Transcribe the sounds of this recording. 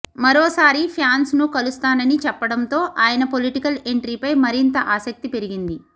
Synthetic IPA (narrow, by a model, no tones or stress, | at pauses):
mɐɾoːsaːɾipʰjaːnsnukɐlust̪aːnɐnit͡ʃɛpːɐɽɐnt̪o̞ːʔaːjɐnɐpoliʈikɐle̞ɳʈɾiːpɐjmɐɾint̪ɐʔaːsɐk̚t̪ipe̞ɾiɡind̪i